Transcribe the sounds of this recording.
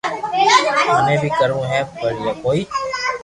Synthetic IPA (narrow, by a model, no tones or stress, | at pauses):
aːnẽːbʱiːkəɾũːɦɛ̃ːbəɽ̤ijaːkoːiː